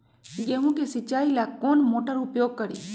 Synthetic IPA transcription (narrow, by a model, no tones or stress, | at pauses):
ɡeːɦũkesɪt͡ʃaːilakoːnmoːʈəɾʊpjoːɡ̚kəɾiː